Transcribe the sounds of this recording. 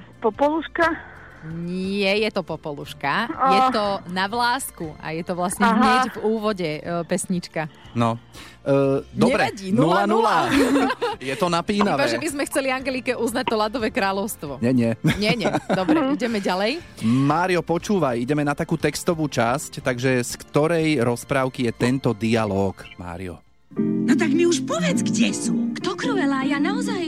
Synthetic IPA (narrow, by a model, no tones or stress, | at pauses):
pɔpɔluʃka | ɲɪɛjɛt̪ɔpɔpɔluʃkaɔjɛt̪ɔnaʋlaːskua̰jɛt̪ɔʋlasɲɛɦɦɲɛɟvuːʋɔɟɛpɛsɲit͡ʃkanɔ | dɲɔɛbɾɛaɟinullanula | jɛt̪ɔnapiːnaibaʒɛbizmɛxt͡sɛliaŋɡɛlikɛʔuznac̚t̪ɔlad̪ɔʋɛːkɾaːlɔʊst̪ʋɔɲɛɲɛɲɛɲɛd̪ɔbɾɛiɟɛmɛɟalɛjmaːɾiɔpɔt͡ʃuːʋajiɟɛmɛnat̪akuːt̪ɛkst̪ɔʋuːt͡ʃasct̪aɡʒɛskt̪ɔɾɛjɾɔspɾaːʊkijɛt̪ɛnt̪ɔd̪ialɔːkma̰ːɾḭjɔ̰ | nɔt̪̬aɡmiuʃpɔʋɪɛd͡zɡɟɛsukt̪ɔkɾuɛlajanaɔzaj